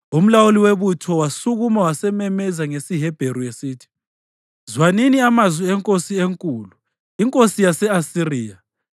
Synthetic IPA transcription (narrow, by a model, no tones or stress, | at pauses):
um̩lawuliweβutʰɔwasuɣumawasɛmɛmɛzaŋesiɦɛb̥ʱeɾuesiːtʰi̥ | zwaniniamazwiɛŋkʼosieŋkʼuːlu | iŋkʼosijasɛasiriːja